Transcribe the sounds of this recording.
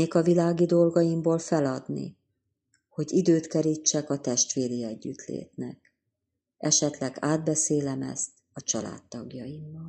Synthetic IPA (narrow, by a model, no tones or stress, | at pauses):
eːkɒvilaːɡid̪o̞lɡɒjimboːlfɛlɒd̪nḭ | ho̞ɟid̪øːt̪kɛɾit͡ʃːɛkɒt̪ɛʃt̪ʋeːɾiɛɟːyt̪lḛːt̪nɛk̚ | ɛʃɛt̪lɛɡaːd̪̚bɛseːlɛmɛ̰st̪ | ɒt͡ʃɒla̰ːt̪ːɒɡjɒjimːɒl